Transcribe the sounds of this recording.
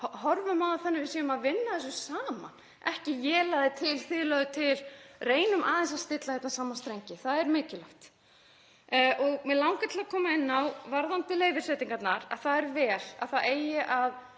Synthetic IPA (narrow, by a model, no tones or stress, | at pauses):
hhɔɾvʏmaðθɛnːɪvɪsiʏmaðvɪnːaθɛs̬ʏsaːma̰n | ɛhcɪjɛːlaðɪt̪ʰɪlθɪðlœɣðʏt̪ʰɪlreːjnʏmʔaːðɛns̬ḁst̪ɪt̪lahɛt̪nasaːmanst̪ɾeɲcɪθaðɛɾmɪːcɪlɛxt̪ | ʔɔɣmɛðlawŋkat̪ʰɪlakʰɔːmaɪnːawvaɾðant̪ɪleːjvɪ̥sɛːt̪iŋkat̪naɾa̰ðθaðɛɾvɛːl̥a̰ðθaðeːjɪʔað